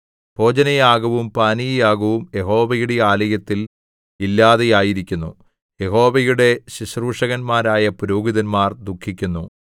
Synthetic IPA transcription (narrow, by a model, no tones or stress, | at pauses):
pʰo̞ːd͡ʑɐnɐjaːɣɐʋumpaːnijijaːɣɐʋumje̞ɦo̞ːʋɐjuɽe̞aːlɐjɐt̪ːil | ilːaːðejaːjiɾikʲːunːṵ | je̞ɦo̞ːʋɐjuɽe̞ɕiɕruːʂɐɣɐnmaːɾaːjɐpuɾoːɡiðɐnmaːrd̪ukʰːikʲːunːu